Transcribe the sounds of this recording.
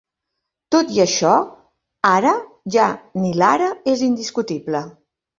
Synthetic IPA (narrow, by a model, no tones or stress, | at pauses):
t̪ot̪iəʃɔ | aɾə | ʒanilaɾəezind̪iskut̪iblə